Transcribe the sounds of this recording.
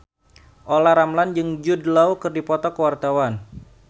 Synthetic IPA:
ʔolaɾamland͡ʒɨŋd͡ʒudlawkɨrdipɔt̪ɔkəwart̪awan

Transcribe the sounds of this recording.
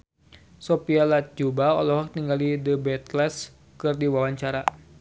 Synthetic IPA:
sopialat̪̚d͡ʒubao̰lɔɦɔk̚t̪iŋɡalidəbɛt̪lɛs | kɨrdiwawaɲt͡ʃaɾa

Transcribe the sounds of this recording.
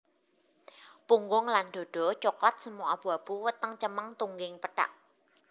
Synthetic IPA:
puŋɡʊŋlanɖ̥o̤ɖ̥ɔ̤t͡ʃoklat̪̚səmuab̥ṳab̥uwət̪əŋt͡ʃəməŋt̪uŋɡɪŋpəɖ̥a̰ʔ

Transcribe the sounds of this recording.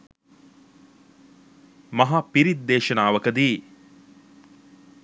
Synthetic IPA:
mɐɦapiɾid̪ːeːʃɐnaːʋəkəd̪iː

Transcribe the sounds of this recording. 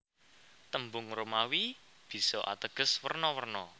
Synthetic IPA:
t̪əmbʊŋɾomawi | b̥i̤sɔʔa̰t̪əɡ̥ə̤swərnɔwərnɔ

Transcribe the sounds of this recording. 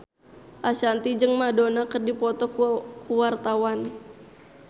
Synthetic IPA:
ʔaʃant̪id͡ʒɨŋmadonakərdipɔt̪ɔkkuwart̪awan

